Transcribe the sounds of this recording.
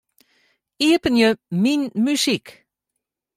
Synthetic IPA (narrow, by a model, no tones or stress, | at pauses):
iəpənjəminmysik